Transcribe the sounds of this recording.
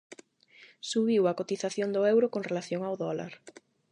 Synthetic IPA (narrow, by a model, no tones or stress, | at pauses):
suβiwakot̪iθaθjond̪ʊɛwɾʊkoŋrelaθjoŋawðɔla̰ɾ